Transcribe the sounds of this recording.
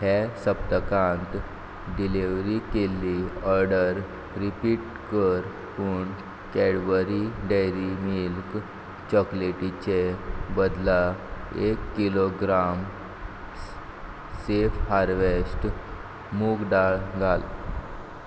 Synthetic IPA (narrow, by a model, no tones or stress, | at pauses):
hesəp̚t̪əkãnt̪ | ɖileʋɾikelːiɔɾɖəɾ | ɾipiʈ̚ | kəɾ | puɳ | kɛɽʋəɾiɖejɾimilk | t͡ɕɔkleʈit͡ɕebəd̪laekːiloɡɾam | sefhaɾʋesʈ | muɡɖaɭɡʱal